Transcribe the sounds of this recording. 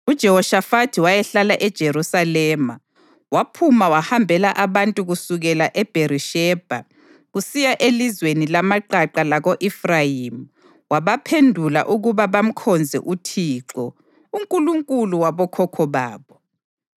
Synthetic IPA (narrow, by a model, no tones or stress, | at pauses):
ud̥ʒ̥ʱɛhɔʃafatʰiwajɛɬalaʔɛd̥ʒ̥ʱeɾusalɛːma̰ | wapʰumawahambʱɛlaʔaβantʼuɣusuɣɛlaʔɛb̥ʱeɾiʃɛːb̥ʱa̰ | ɣusijaʔelizwenilamaǃaǃalaɣoʔifrajimu | waβapʰendʱula̰ʔuɣuβaβam̩kʰɔnd͡zʱɛ̰ʔutʰiːǃɔ | uŋkʼuluŋkʼuluwaβɔkʰɔkʰɔβa̰ːβɔ